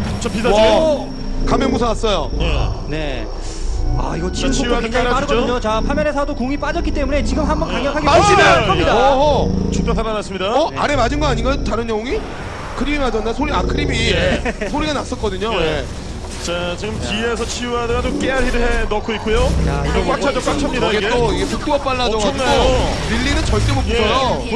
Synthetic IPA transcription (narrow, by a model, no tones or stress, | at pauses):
t͡ɕʌpisʰa | kamemusʰaas͈ʌjoene̞̰ | a̰iɡʌt͡ɕ͈iɯt͡ɕʰijuadɯkeaɡoɲot͡ɕapʰamjʌnesʰadokoŋip͈ad͡ʑʌk͈it͈e̞mune̞t͡ɕiɡɯmɦambʌnkkaŋɲjʌkkʰaɡiaɕieʌɲidaʌt͡ɕokt͈ʰasʰaɾanas͈ɯmɲidaʌʔa̰ɾe̞mad͡ʑɯnɡʌaɲinɡajototaɾɯnjʌŋoŋi | kʰɯɾimimad͡ʑʌnːdasʰoɾiakʰɯɾimisʰoɾiɡanas͈ʌk͈ʌdɯɲoje | t͡ɕat͡ɕiɡɯmpies̬ʰʌt͡ɕʰijuɦadaɾat͡ɕomk͈eaɾɦiɾɯɦenʌkʰoik͈ujoa̰ʌk͈ak̚t͡ɕʰad͡ʑʌk͈ak̚t͡ɕʰaoʌɡett͈oiɡesʰɯk͈ʰɯwʌp͈aɭːadʌɡonɯʎːinɯnt͡ɕʌɭt͈eɡopud͡ʑʰʌjo